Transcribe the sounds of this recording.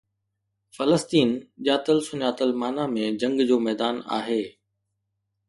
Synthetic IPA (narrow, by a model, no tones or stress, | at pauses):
fɐləst̪iːnʄaːt̪əlsʊɲaːt̪əlmaːnamẽd͡ʑɐ̃ŋɡd͡ʑoːmɛːd̪aːna̰ːɦeː